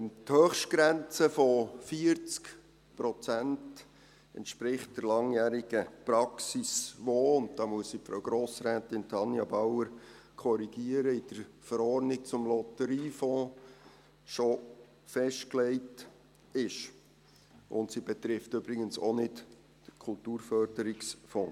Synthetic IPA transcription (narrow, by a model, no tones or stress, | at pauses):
thøːχʃtɡ̥ɾænt͡səfɔfiəɾt͡sk | pɾɔt͡sænt | ɛ̰ntʃpɾɪχt̚d̥əɾlɑŋjæːɾiɡ̥əpɾɑksisʋoːʊnt̚dɑmuəssipfɾo̰ʊɡ̥ɾoːsɾæːtɪntʰɑnjɑbawəɾ | kʰɔɾiɡ̥iəɾəɪd̥əɾfəɾɔɾnɪk̚t͡sʊmlɔtəɾiːfɔ̃ː | ʃɔ | fɛʃtklɛɪt | ɪʃ | ʔʊ̰ntsibɛt̪ɾɪftʏbɾɪɡənsonɪt | d̥əkʰʊltuːɾfœrd̥əɾɪksfɔ̃ː